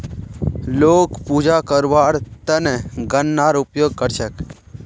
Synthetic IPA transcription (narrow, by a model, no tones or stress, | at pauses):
loːkpuːd͡ʒakəɾʋaːɾt̪ənɛɡənːaɾʊpjoːɡ̚kəɾʃək